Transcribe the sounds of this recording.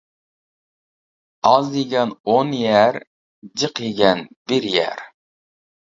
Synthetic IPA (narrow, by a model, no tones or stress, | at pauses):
ɑzd̪eɡʲɛnonjæɾ | d͡ʒəqjiɡʲɛnbɪɾjæ̰ɾ